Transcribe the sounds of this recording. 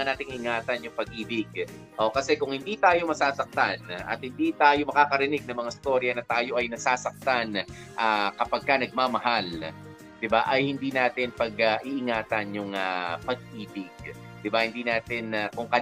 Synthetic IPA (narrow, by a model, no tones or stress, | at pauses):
ɐnaːt̪ɪŋɪŋaːt̪ɐnjʊŋpɐɡ̚ʔiːbɪɡ̚ | ʔokɐsɛkʊŋhɪnd̪iːt̪aːjo̞mɐsaːsɐk̚t̪anʔɐ̰t̪̚hɪnd̪it̪aːjo̞mɐkaːkɐɾɪnɪɡ̚nɐŋmɐŋaɪst̪o̞ɾjɐnɐt̪aːjo̞ʔɐjnɐsaːsɐk̚t̪an | ʔakɐpɐɡ̚kanɐɡ̚mamɐɦal | d̪̥ɪbaʔɐjhɪnd̪inaːt̪ɪnpɐɡaʔiʔɪŋaːt̪ɐnjʊŋapɐɡ̚ʔiːbɪɡ̚ | d̪̥ɪbahɪnd̪iːnaːt̪ɪnɐkʊŋkɐ